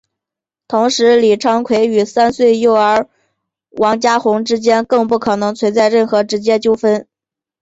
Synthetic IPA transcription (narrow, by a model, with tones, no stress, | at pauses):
t̪ʰʊ˧˥ŋʂɻ̩˧˥li˨˩ʈ͡ʂʰɑ˥ŋkʰwe˧˥ɪy˨˩sa˥nswe˥˩˧ɪjo˥˩ʊə˞˧˥ | wʔɑ˧˥ŋt͡ɕja˥xʊ˧˥ŋʈ͡ʂɻ̩˥t͡ɕjɛ˥nkɤ˥˧ŋpu˥˩kʰɤ˨˩nɤ˧˥ŋt͡sʰwe˧˥t͡sa˥˧ɪɻə˥˩nxɤ˧˥ʈ͡ʂɻ̩˧˥t͡ɕjɛ˥t͡ɕjo˥ʊfə˥n